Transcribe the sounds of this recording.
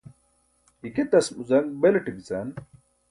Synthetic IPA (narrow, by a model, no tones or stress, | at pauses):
iket̪ɐsmuzɐnbeleʈibizɐn